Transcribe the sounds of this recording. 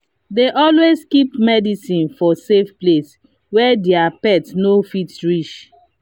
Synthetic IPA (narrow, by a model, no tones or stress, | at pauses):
deʔɔlwezkipmɛdisĩnfɔsefples | wɛdɛapɛtnofitɹiʃ